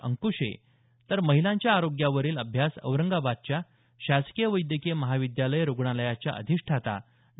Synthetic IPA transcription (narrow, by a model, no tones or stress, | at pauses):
ə̰ŋkuɕḛ | t̪əɾməɦilãɲt͡ɕjaːɾoɡjaʋəɾiːləbʱjasə̰ʋɾəŋɡabad̪̚t͡ɕja | ɕaskijəʋəjd̪jəkeməɦaʋid̪jaləjɾoɡɳaləjat͡ɕja̰ʔə̰d̪ʱiʂʈʰat̪a̰